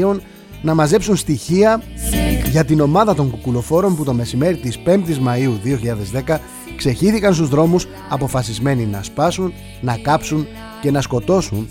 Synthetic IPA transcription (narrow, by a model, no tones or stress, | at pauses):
o̞n | nɐmɐze̞psunst̪içiɐ | ʝɐt̪ino̞mɐðɐt̪o̞ŋkukulo̞fo̞ɾo̞mput̪o̞me̞sime̞ɾit̪ispe̞mt̪izmɐiuðioçiʎɐðe̞zðe̞kɐ | kse̞çiθikɐns̬t̪uzðɾo̞mus | ɐpo̞fɐsizme̞ninɐspɐsunː | ɐkɐpsun | ce̞nɐsko̞t̪o̞sun